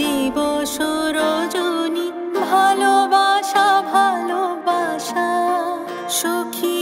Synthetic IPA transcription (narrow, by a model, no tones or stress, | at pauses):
iboʃoɾod͡ʒoni | bʱalobaʃabʱalobaʃa | ʃokʰi